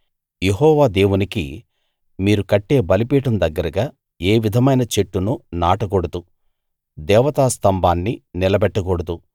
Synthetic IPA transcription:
je̞ɦɔːʋaːd̪e̞ːwunikḭ | miːɾukɐʈːe̞ːbɐlipiːʈɐmd̪ɐɡːɐɾɐɡaː | eːʋid̪ʱɐmɐjnɐt͡ʃe̞ʈːununaːʈɐkoɽɐt̪u | d̪ɛːʋɐt̪aːst̪ɐmbʱaːnːinilɐbɛʈːɐkɔɽɐt̪u

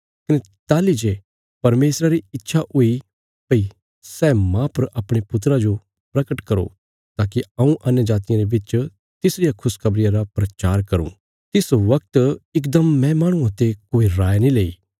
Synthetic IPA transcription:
kɪnɛ | t̪aːlid͡ʒe | pɐɾmeːsɾaɾiɪtːʃʰaʔʊi | pɐi | sɛːmãpɐɾɐpɽ̃epʊt̪ɾad͡ʒo | pɾɐkəʈkɐɾo̰ | t̪aːkiɐ̃ũʔɐnjəd͡ʒaːt̪ɪjãɾebɪt͡ʃ | t̪ɪsɾɪjakʰʊskʰɐbɾɪjãɾapɾɐt͡ʃaːɾkɐɾṵ̃ | t̪ɪsoʋɐkt̪ɪk̬d̪ɐmːɛ̃maːɽ̃ʊ̃ãt̪ekoːiɾaːenĩleːiː

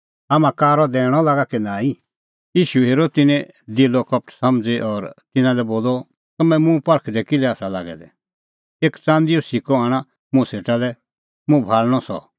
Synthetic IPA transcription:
aːmãkaːɾɔd̪ɛːɽ̃ɔlaːɡakinãːĩ | jiːʃuɦeːɾot̪ɪnɛ̃ | d̪ɪlɔkɐp̚ʈʰsɐmd͡zeʔɔɾt̪ɪnãlɛboːlɔ | t̪ɐmɛ̃mũpɐɾkʰd̪ɛkɪlɛaːsala̰ːɡɛ̰d̪ɛ̰ | eːkt͡sãːnd̪iosɪkɔaːɽ̃ã | mʊ̃seːʈalɛ | mũbʱaːlɽ̃ɔsɔ̰

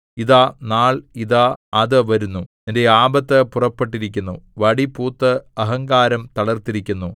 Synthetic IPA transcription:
iðaːnaːɭiðaːɐðɨʋɐɾunːuninde̞aːbɐt̪ːɨpurɐpːeʈːiɾik̬ʲːunːuʋɐɽipuːt̪ːɨɐɦɐŋɡaːɾɐmt̪ɐɭɐrt̪iɾikʲːunːu

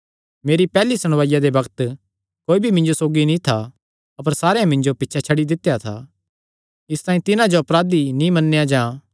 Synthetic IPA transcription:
meːɾipɛːlisɐɽ̃ʋaːjad̪ebɐkt̪ | koːibʱimɪ̃nd͡ʒosoːɡinĩt̪ʰa | ɐpəɾsaːɾeãmɪ̃nd͡ʒopɪtːʃʰat͡ʃʰɐɽid̪ɪt̪ːejat̪ʰa̰ | ɪst̪aːĩt̪ɪnãd͡ʒoɐpɾaːd̪inĩmɐnːejad͡ʒãː

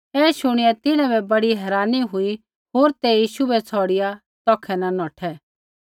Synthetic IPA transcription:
ɛːʃʊɽ̃ɪjat̪ɪñãbɛbɐɽiɦɛːɾaːniɦʊi | ɦoːɾt̪ɛjiːʃubɛt͡sʰɔːɽɪja | t̪ɔːkʰɛnanɔːʈʰɛ

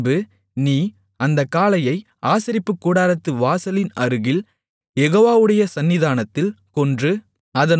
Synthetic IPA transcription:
bɯ | niː | ɐnd̪ɐkːaːlɐjɐɪ | ʔaːsɪɾɪpːɯkːuːɽaːɾɐt̪ːɯʋaːsɐlɪnɐɾɯɣɪl | jɛɣoːʋaːʋɯɽɐjɐsɐnːɪðaːnɐt̪ːɪl | kɔndrɯ | ɐðɐn

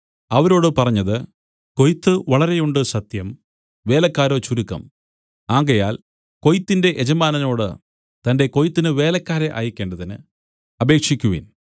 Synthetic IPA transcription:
ɐʋɐɾo̞ːɽɨpɐrɐɲːɐðɨ | ko̞jt̪ːɨʋɐɭɐɾe̞juɳɖɨsɐt̪jɐm | ʋe̞ːlɐkːaːɾo̞ːt͡ɕuɾukːɐ̰m | aːŋɡɐjaːl | ko̞jt̪ːinde̞ʔed͡ʑɐmaːnɐno̞ːɽɨ | t̪ɐnde̞ko̞jt̪ːinɨʋe̞ːlɐkːaːɾeʔa̰ːjikʲːe̞ːɳɖɐðinɨ̰ | ɐbe̞ːkʂikʲːuʋḭːn

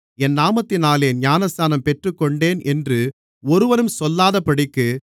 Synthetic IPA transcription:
ɛnːaːmɐt̪ːɪnaːleːnjaːnɐst̪aːnɐmpɛʈrɯkːɔɳɖeːnʔɛndrɯ | ɔɾɯʋɐnɯmsɔlːaːðɐpɐɽɪkːɯ

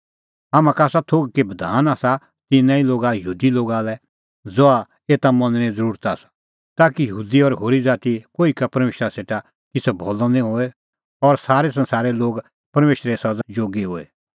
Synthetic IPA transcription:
aːmãkaːsat̪ʰoːɡkebɐd̪ʱaːnasa | kinãĩloːɡajəɦuːd̪iloːɡalɛ | d͡zɔa | eːt̪amɐ̃nñẽd͡zəɾuːɾət̪asḁ | t̪aːkijɐɦuːd̪iɔɾɦoːɾid͡zaːt̪ikoːikapɐɾmeːʃɾaseːʈa | kɪt͡sɛbʱɔːlɔ̃nĩɦoːe | ɔɾsaːɾɛs̬ɐ̃nsaːɾɛloːɡ | pɐɾmeːʃɾesɐd͡ʒoːɡiɦoːḛ

